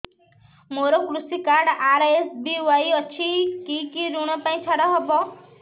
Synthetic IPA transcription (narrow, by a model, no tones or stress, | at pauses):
moɾɔkɾusikaɾɖaɾesbiwajɔt͡ʃʰikikiɾuɽ̃ɔpaĩt͡ʃʰɔɽɔɦɔbɔ